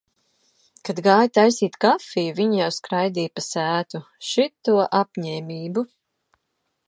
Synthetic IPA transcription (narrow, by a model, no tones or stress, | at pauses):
kad̪ɡaːjt̪ajsiːt̪kafijuviɲjawskɾajd̪iːpasæːt̪u | ʃit̪ːuɔʔapɲɛːmʲiːbu